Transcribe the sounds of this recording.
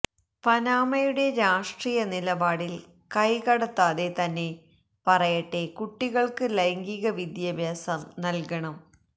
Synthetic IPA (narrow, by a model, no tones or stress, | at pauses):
pɐnaːmɐjuɽe̞ɾaːʂʈriːjɐnilɐbaːɽil | kɐjkɐɽɐt̪ːaːðe̞t̪ɐnːe̞ | pɐrɐjɐʈːe̞kuʈːiɣɐɭkɨlɐjŋɡiɣɐʋid̪jɐbʱjaːsɐmnɐlkɐɳɐm